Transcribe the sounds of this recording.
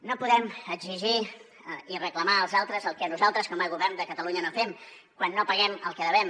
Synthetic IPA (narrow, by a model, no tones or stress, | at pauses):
nopuðɛməɡziʒi | irəkləmaəlˠzalˠt̪ɾəzəlˠkɛnuzalˠt̪ɾəskɔməɣuβɛrnd̪əkət̪əluɲənofɛm | kwanːopəɣɛməlˠkɛðəβɛm